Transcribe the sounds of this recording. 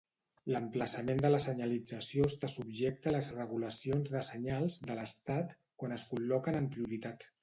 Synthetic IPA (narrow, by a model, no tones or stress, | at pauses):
ləmpləsəmend̪ələsəɲəlid͡zəsiost̪asubʒek̚t̪ələzrəɣuləsionzðəsəɲalˠzd̪ələst̪at̪ | kwanəskullɔkənəmpɾiuɾit̪at̪